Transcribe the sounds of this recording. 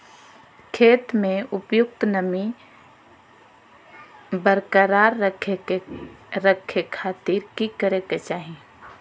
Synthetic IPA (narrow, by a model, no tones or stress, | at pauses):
kʰeːt̪mẽʊpjʊk̚t̪nəmi | bəɾkəɾaːɾəeeɾəkʰːekʰaːt̪iɾkikəɾeket͡ʃaːɦi